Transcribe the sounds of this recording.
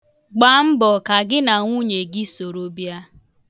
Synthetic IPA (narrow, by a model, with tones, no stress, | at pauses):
ɡ͡ba˨m̩˦bɔ˨ka˨ɡɪ˦na˨ŋʷu˦ɲe˨ɡɪ˦so˨ɾo˦bja˦